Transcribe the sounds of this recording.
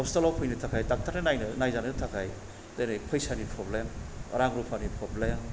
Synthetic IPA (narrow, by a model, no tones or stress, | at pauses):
ɔpstalawpʰujnɯtʰakʰajtak̚tʰaɾnɯnajnɯnajzanɯtʰakʰaj | dajnɯjpʰɐjsanipʰɾoblemɐ̰ɾaŋɾupʰanipʰɾoblem